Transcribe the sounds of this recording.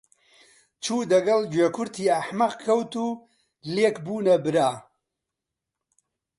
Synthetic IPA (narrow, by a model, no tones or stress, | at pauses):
t͡ʃʰuːd̪ɐɡɐld͡ʒeːkʰʊɾt̪ʰiːɐħmɐqkʰɐwt̪uː | leːkbuːnɐbɨɾaː